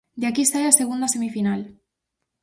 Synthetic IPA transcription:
d̪eakiest̪ajaseɣund̪asemifinal

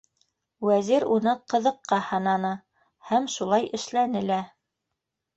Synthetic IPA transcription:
wæziɾunɤqɤ̆ðɤ̆qːɑhɑnɑnɤ | hæmʃulˠɑjʔɘ̆ʃlænɘlæ

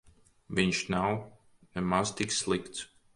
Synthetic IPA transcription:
viɲʃnaw | nɛmast̪iksslˠikt̪s

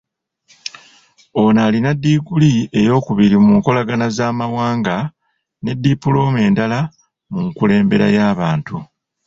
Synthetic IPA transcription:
o̞naːlinadːiːɡulie̞jo̞ːkuβiɾimuːŋko̞laɡanazaːmawaːŋɡa | ne̞dːipːulo̞ːme̞ːndala | muŋkule̞ːmbe̞ɾa̰jaːβaːntu

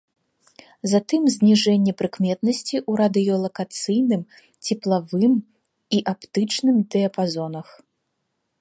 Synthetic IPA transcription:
zat̪ɨmzʲnʲiʐɛnʲːɛpɾɨkmʲɛt̪̚nɐsʲt͡sʲiʔuɾad̪ɨjɔlˠɐkat̪sɨjnɨm | t͡sʲɛplˠavɨm | iʔapt̪ɨt͡ʂnɨmd̪ɛɐpazɔnɐx

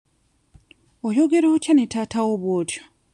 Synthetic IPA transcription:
ojoɡe̞ɾootjanetaːtawoβwoːtjo

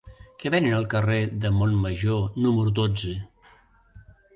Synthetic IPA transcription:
kəβenənəlˠkəreðəmonməʒonuməɾud̪od͡zə

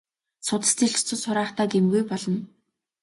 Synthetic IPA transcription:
sʊt̪ə̥̆st͡siɮt͡ɕt͡sʰʊ̆sʊɾaːχt̪aːɡemɡujpɔɮɞ̆n

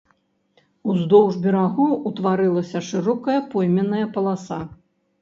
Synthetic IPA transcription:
uzd̪ɔwʐbʲɛɾaɣuut̪vaɾɨlˠɐsʲɐʂɨɾɔkɐjɐpɔjmʲɛnːɐjɐpɐlˠasa

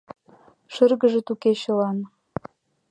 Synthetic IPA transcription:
ʃərɣə̆ʒĕt̪ukeɕɤ̆lɑn

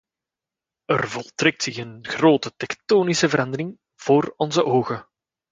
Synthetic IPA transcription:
ə̰rvɔlˠtrɛk̚tsɪxənxroːtətɛktoːnisəvəɾʔɑnd̪əɾɪŋ | v̥oːrɔnzəʔoːɣə

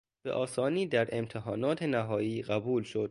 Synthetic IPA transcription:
b̥ḛʔɒːsɒːniːd̪æɾʔe̞mt̪ʰeɦɒːnɒːt̪ʰenæɦɒːjiːɢæbuːlʃo̞d̪̚

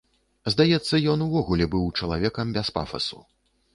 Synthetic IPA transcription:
zd̪ajɛt̪sːɐjɔnuvɔɣulʲɛbɨwt͡ʂɐlˠavʲɛkɐmbʲɛspa̰fɐ̰su

